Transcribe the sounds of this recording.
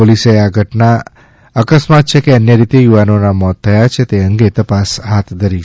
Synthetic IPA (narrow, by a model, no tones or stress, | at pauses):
poliseaɡʱəʈna | əkəsmat̪̚t͡ʃʰekeənjəɾit̪ejuʋanonamɔt̪ʰːəjat͡ʃʰet̪eəŋɡet̪əpasɦat̪ʰd̪ʱəɾi